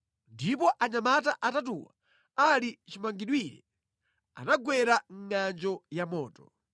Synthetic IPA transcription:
ndipɔʔaɲamataʔatat̬ṵwa̰ | alit͡ʃimaŋɡiɗwiɾɛ̰ | a̰naɡwɛɾaŋ̩ŋand͡ʒɔjamɔːtɔ̥

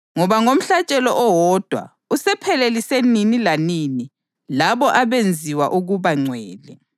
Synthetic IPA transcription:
ŋɔβaŋom̩ɬat͡ʃʼɛlɔʔɔwɔd̥ʱwa̰ | usɛpʰɛleliseninilaniːni | laβɔʔaβend͡zʱiwa̰ʔuɣuβaŋ͡ǀʱwɛːlɛ

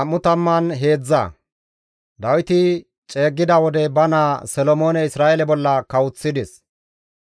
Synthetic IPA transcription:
ɐmːʊt̪ɐmːɐnɦe̞ːd͡zːɐ̰ | d̪ɐwɪt̪ɪ | t͡ʃʼe̞ːɡːɪd̪ɐwɔd̪ɛbɐnaːsɔlɔmo̞ːnɛɪsɾaːʔɛlɛbɔlːɐkɐwʊt͡sːɪd̪ɪs

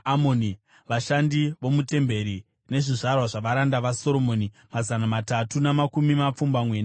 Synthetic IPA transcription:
amoni | ʋaʃandiʋo̞mute̞mbe̞ɾi | ne̞ʐiʐarwaʐaʋaɾandaʋaso̞ɾo̞mo̞ni | mazanamatatunamakumimap͡fumbamwe̞ːna

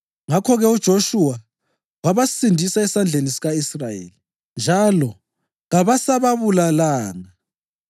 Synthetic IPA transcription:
ŋakʰɔɣɛud̥ʒ̥ʱoʃuwa | waβasindʱisaɛsand͡ɮʱenisiɣaisrajḛːli | nd͡ʒʱalɔ | ɣaβasaβaβulalaːŋa

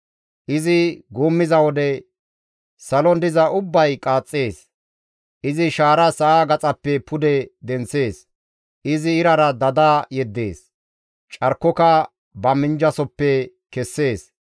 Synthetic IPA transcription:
ʔɪzɪɡuːmːɪzɐwɔd̪ɛ | sɐlɔnd̪ɪzɐʔʊbːɐjkʼaːt͡sʼːe̞ːs | ʔɪzɪʃaːɾɐsɐʔaːɡɐt͡sʼɐpːɛpʰʊd̪ɛd̪ɛnse̞ːs | ʔɪzɪːɾɐɾɐd̪ɐd̪aːjɛd̪ːe̞ːs | t͡ʃʼɐɾkːɔkɐ | bɐmɪnd͡ʒɐsɔpːɛ | kɛsːe̞ːs

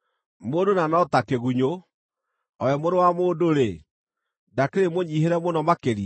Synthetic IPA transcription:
moːdonanɔtakeɣuɲo | ɔjɛmoɾowamoːdoɾe | dakeɾemoɲiːheɾɛmonɔmakeɾi

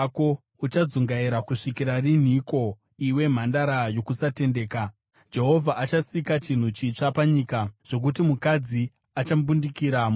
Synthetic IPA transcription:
ko̞ | ut͡ʃad͡zuŋɡaiɾakuʂikiɾarin̤iko̞ | iwe̞m̤andaɾajo̞kusate̞nde̞ːka | d͡ʒe̞ɦo̞vʱaʔat͡ʃasikat͡ʃin̤ut͡ʃit͡ʂapaɲikaʐ̥o̞k̬utimukad͡zi | at͡ʃambundikiɾam

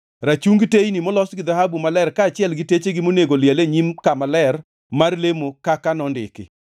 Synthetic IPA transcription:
rat͡ʃuŋɡtejnimɔlɔsɡɪd̪aɦabumalɛrkaːt͡ʃɪɛlɡɪtet͡ʃeɡɪmoneɡoljaleɲimkamalɛr | marlemokakanɔndɪ̰kɪ̰

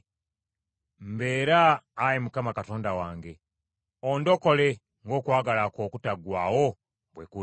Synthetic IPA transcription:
m̩be̞ːɾaːjemukamakato̞ːndawaːŋɡe̞ | ondo̞ko̞le̞ | ŋɡo̞ːkwaːɡalako̞ːkutaɡwaːwo̞ | bweku

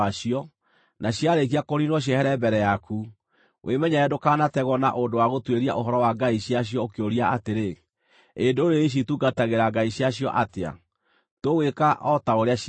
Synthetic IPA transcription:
aʃiɔ | nʔaɕjaɾek̬iakoɾinwɔɕ̬jɛhɛɾɛmbɛɾɛjakʰu | wʔḛmɛɲaɛdokaːnatɛɣɔna̰ʔondowaɣotweɾia̰ʔoɦɔɾɔwaɡaiɕiaɕ̬jɔokeoɾiaateɾe | endoɾeiɕ̬ituɡataɣeɾaɡaiɕjaɕjɔ̰ʔatea̰ | towekaʔɔtaoɾea

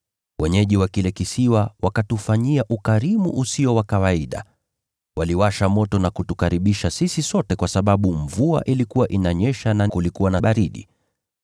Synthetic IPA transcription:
wʔɛɲɛʄiwakilɛkisiwawakatufaɲiaʔukaɾimṵʔusiɔwakawaiɗa̰ | waliwaʃamɔtɔnakutukaɾiɓiʃasisisɔtɛkwasaɓaɓuɱvua̰ʔilikuwaʔinaɲɛʃanakulikuwanaɓaɾiɗḭ

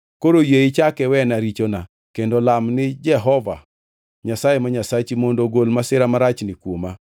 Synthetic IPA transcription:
koɾojeɪt͡ʃakɛwɛnaɾit͡ʃona | kendolamnɪd͡ʒɛɦɔva̰ | ɲasajemaɲasat͡ʃimondoɡolmasɪɾamaɾat͡ʃnɪkwoma

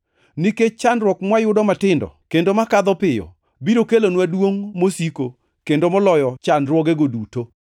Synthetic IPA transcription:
niket͡ʃanɾwɔkmwajʊdɔmatɪndɔ̰kendomakad̪ɔpɪjɔ̰ | biɾokelonwadwoŋmosiko | kendomɔlɔjɔt͡ʃanɾwɔɡeɡoduto

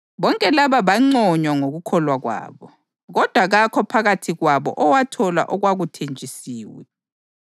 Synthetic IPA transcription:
βɔŋkʼɛlaβaβaŋ͡ǀɔɲwaŋoɣukʰɔlwaɣwa̰ːβɔ | ɣɔd̥ʱwaɣakʰɔpʰaɣatʰiɣwaβɔ̰ʔɔwatʰɔla̰ʔɔɣwaɣutʰent͡ʃʼisiːwɛ̰

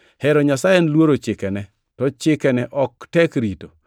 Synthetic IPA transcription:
hɛɾɔɲasajenlwoɾot͡ʃɪkɛnɛ | tɔt͡ʃɪkɛnɛʔɔk̚tɛkɾito

